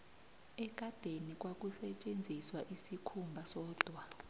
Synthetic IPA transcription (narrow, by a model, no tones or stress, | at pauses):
ɛɡ̥ʱad̥ʱenik̬ʼwak̬ʼusɛt͡ʃʼend͡zʱiswaʔisikʰumbʱasɔːd̥ʱwa